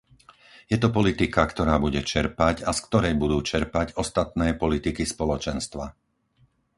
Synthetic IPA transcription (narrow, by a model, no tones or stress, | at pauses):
jɛt̪ɔpɔlit̪ikakt̪ɔɾaːbuɟɛt͡ʃɛɾpaɟaskt̪ɔɾɛjbud̪uːt͡ʃɛɾpaɟɔst̪at̪nɛːpɔlit̪ikispɔlɔt͡ʃɛnst̪ʋa